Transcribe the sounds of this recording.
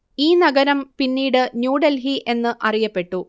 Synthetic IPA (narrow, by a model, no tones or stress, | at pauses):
iːnɐɡɐɾɐmpinːiːɽɨnjuːɖɐlɦiʔe̞nːɨʔɐrijɐpːe̞ʈːu